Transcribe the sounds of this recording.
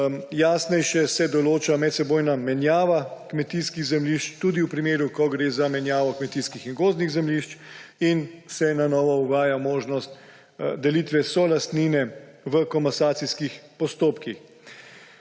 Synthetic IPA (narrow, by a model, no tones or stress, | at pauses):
jasnɛjʃɛsɛd̪ɔloːt͡ʃamɛt̪sɛboːjnamɛnjaːʋakmɛt̪iskiɣzɛmliʃt͡ʃt̪ud̪iwpɾimeːɾukɔɡɾeːzamɛnjaːʋɔkmɛt̪iːskixinɡoːzniɣzɛmliʃt͡ʃinsɛnanɔːʋɔuʋaːjamoːʒnɔst̪ | d̪ɛlit̪ʋɛsɔlast̪niːnɛʋəkɔmasaːt̪siskixpɔst̪oːpkix